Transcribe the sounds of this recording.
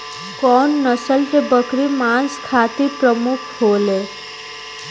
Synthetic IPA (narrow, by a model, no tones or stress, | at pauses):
kɔːnːəsəlt̪ebəkɾimãːnsk̪ʰaːt̪ipɾəmʊkʰɦoːleː